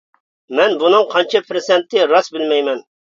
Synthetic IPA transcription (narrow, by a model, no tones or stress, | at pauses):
mɛnbunɨŋqʰɑnt͡ʃʰɛpʰɾɪsɛnt̪ʰːɪɾɑsbɪlmɛjmɛn